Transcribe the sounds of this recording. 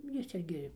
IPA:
ˈjɪs ˈɪrʲɡʲɪ

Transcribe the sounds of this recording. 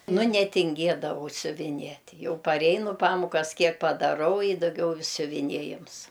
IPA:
ˈnʊ nʲɛtʲɪŋʲˈɡʲeːdɐʋɐʊ sʲʊʋʲɪˈnʲiɛtʲ ˈjɛʊ pɐrʲˈɛɪnʊ ˈpɑːmʊkɐs ˈkʲiɛk pɐdɐˈrɐʊ ɪ dɐˈɡʲɛʊ sʲʊʋʲɪˈnʲiɛjɪms

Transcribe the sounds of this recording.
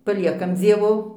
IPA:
pɐˈlʲiɛkɐm ˈd͡zʲiɛʋoː

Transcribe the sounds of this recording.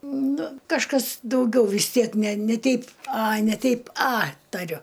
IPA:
ˈnʊ kɐʃˈkɐs dɐʊˈɡʲɛʊ ʋʲɪs ˈtʲiɛk nʲɛ nʲɛ ˈtʲɛɪp ɐ nʲɛ ˈtʲɛɪp ɐ tɐˈrʲʊ

